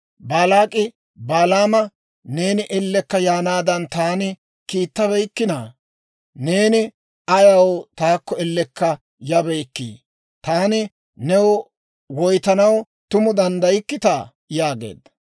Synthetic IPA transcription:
baːlaːkʼːɪ | baːlaːmɐ | ne̞ːnɪʔɛlːɛkːɐjaːnaːd̪ɐnt̪aːnɪ | kiːt̪ːɐβɛjkːɪnaː | ne̞ːnɪ | ɐjɐwt̪aːkːɔɛlːɛkːɐ | jɐbɛjkːḭː | t̪aːnɪ | nɛw | wɔjt̪ɐnɐw | t̪ʊmʊd̪ɐnd̪ɐjɪkːɪt̪aː | jaːɡe̞̰ːd̪

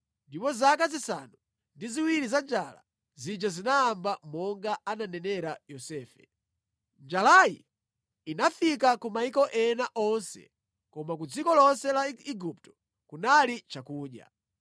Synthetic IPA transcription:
ndipɔzakazisa̰nu | ndiziwiɾizand͡ʒala̰ | zid͡ʒazinaːmbamɔŋɡaananɛnɛɾajɔsɛːfɛ̰ | nd͡ʒalajḭ | inafikakumaikɔʔɛnaʔɔnsɛ̰ | kɔmakud͡zikɔlɔnsɛlaiɡup̚tɔ̥ | kunalit͡ʃakuːɗja̰

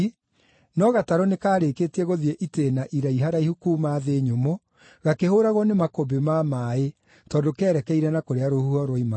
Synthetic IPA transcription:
nɔɣataɾɔnekaːɾeːkeːtiɛɣoðieʔiteːnaʔiɾaiɦaɾaihukumaːðeɲomo | ɣakehoɾaɣɔnemakobemamaːe | tɔːndokɛːɾɛkɛiɾɛnakoɾeaɾohuɔɾwɔima

